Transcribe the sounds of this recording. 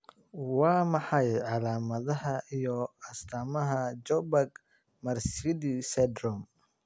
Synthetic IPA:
wɑːmɑħɑjʕɑlaːmɐðɐɦɐijɔɐst̪ʰaːmɐɦɐd͡ʒɔbɐɡ | mɐrsidisɛd̪ɾɔm

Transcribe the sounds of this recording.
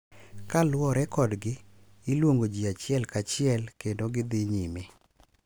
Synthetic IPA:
kalwɔɾɛkɔdɡɪː | lwoŋɡod͡ʒiat͡ʃɪɛlkat͡ʃɪɛlkendoɡɪd̪ɪɲime

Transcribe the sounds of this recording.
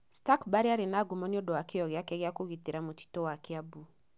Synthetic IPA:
stakbaɾeaɾenaɡomɔniɔdɔwakeɔɣeakɛɣakoɣiteɾamoti̥tɔwakeabu

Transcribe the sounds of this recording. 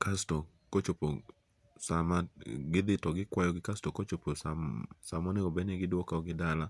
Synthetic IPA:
kʰasto | kot͡ʃopo | samaɡɪd̪ɪtɔɡɪkwajɔɡɪkastokot͡ʃopossamɔneɡobeneɡɪdwɔkaɔɡɪdala

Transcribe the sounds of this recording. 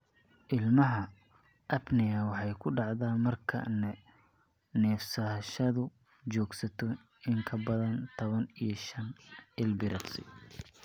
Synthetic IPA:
ʔɪlmɐɦɐ | ʔɐbnɪjɐwɑħɑjkʰʊɖɑʕðaːmɐrkʰɐ̰nɛ | nɛːfsɐʃɐðʊ | t͡ʃɔːɡsɐt̪ʰɔ | ɪŋkʰɐbɐðɐnt̪ʰɔβɐnijɔʃɐnɪlbɪɾɐsɪ̰

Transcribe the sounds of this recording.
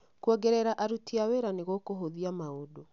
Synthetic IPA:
kuɔɡɛɾɛɾaʔaɾutiaweɾaneɣokoɦoðiamaodo

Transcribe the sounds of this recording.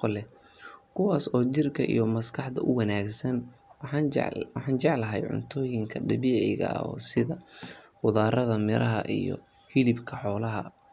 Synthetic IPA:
qɔlɛ | kʰʊwaːsɔːt͡ʃɪrkʰɐʔḭjɔmɐskʰɑħd̪ɐʔʊwɑnaːɡsɐn̰ | wɑħɑːnt͡ʃɑʕlɐɦɛjʕʊ̰nt̪ʰɔːjɪŋkʰɐɖɐβiːʕɛjɣɐ̰ɔ̰ːsɪðɐwʊðaːɾɐðɐmɪɾʔɐɦɐʔijɔ̰ | hɪlɪbkʰɐħɔːlɐɦɐ

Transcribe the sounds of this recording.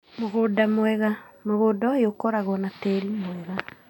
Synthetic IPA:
moɣodamwɛɣamoɣoːdɔjokɔɾaɣɔnateɾimwɛɣa

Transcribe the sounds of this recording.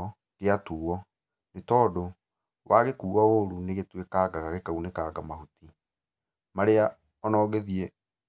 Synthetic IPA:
ɔ | keatuːɔ | netɔːdo | wʔaɣekuːwaoɾuneɣetwekaːɡaɣaɣekaunekaɡamaɦuti | maɾea | ɔnɔːɣeðie

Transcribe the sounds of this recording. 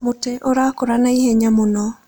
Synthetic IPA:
motɛʔoɾakoɾanaihɛɲamonɔ

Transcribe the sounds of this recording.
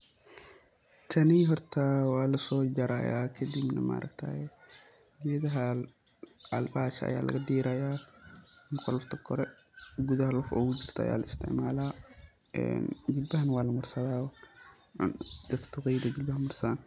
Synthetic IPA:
t̪ʰɐniɦɔɾt̪ʰɐwaːlɐsɔːd͡ʒɐɾaja̰ːkʰɐd̪ibnɐ̰ma̰ɾʔɐ̰kt̪ʰa̰ːjɛ | mɛðɐɦɐ | ʕɐlbaːt͡ʃɐɐ̰ja̰ːlʔɐ̰ɡɐd̪iːɾajaː | nqɔlɐft̪ʰɐkʰɔɾɛ | ɡʊðɐhɐlɔfɔwʊd͡ʒɪrt̪ʰɐɐ̰ja̰ːlɐɪst̪ʰɪ̰ʕmaːlaː | ɛ̰nd͡ʒɪbɐhɐnwaːlɐmʊɾsɐðaːw | ʕʊ̰nd̪ɐft̪ʰʊɣiːd̪ɐd͡ʒɪbɐhmʊɾsaːn

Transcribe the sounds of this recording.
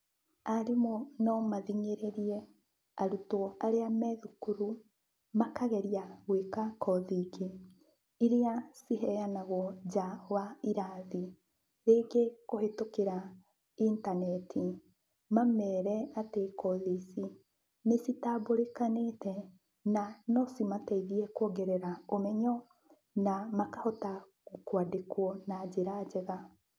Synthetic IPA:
aɾemonɔmaðiŋeɾeɾiɛ | aɾutɔaɾeamɛðukuɾu | makaɣɛɾiaɣwekakʰɔðike | iɾeasiɦɛjanaɣɔd͡ʒawaiɾaði | ɾekekohetokeɾa | intanɛtʰi | mamɛɾɛatekɔðisi | nesitaboɾekanetɛ | nanɔsimataiðiɛkwoɡɛɾɛɾaomɛɲɔ | namakahɔta | kwadekwɔnad͡ʑeɾad͡ʑɛɣa

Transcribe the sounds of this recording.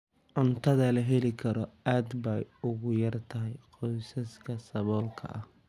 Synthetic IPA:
ʕʊnt̪ʰɐðɐlɐɦɛlɪkʰɐɾɔaːd̪bɐjʊɣʊjɐrt̪ʰɐɦɛjqɔjsɐskʰɐsɐβɔːlkʰɐ̰ʔɐh

